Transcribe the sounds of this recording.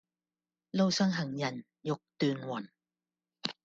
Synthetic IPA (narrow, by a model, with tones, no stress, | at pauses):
lo˥˧wsa˥˨ŋɦa˨˩ŋjɐ˨˩n | jo˧˥k̚t̪yː˧nwɔ˨˩n